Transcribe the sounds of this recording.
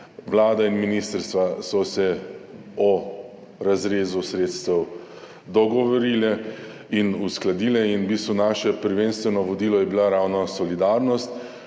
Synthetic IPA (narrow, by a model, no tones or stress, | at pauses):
ʋlaːd̪ainminist̪əɾst̪ʋasɔsɛ | ɔ | ɾazɾeːzusɾeːt̪st̪ɛw | d̪ɔɡɔʋɔɾiːlɛ | inusklad̪iːlɛinbiːst̪ʋunaːʃɛpəɾʋeːnst̪ʋɛnɔʋɔd̪iːlɔjɛbilaɾaːwnɔsɔlid̪aːɾnɔst̪